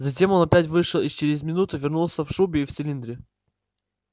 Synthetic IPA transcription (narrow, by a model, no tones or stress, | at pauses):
zɐt̬ʲe̞mo̞nɐpʲætʲvɨʂɨlˠit͡ɕɪɾʲɪzʲmʲɪnut̪ʊvʲɪrnulˠsʲəfʂubʲɪːft̪sɨlʲind̪ɾʲɪ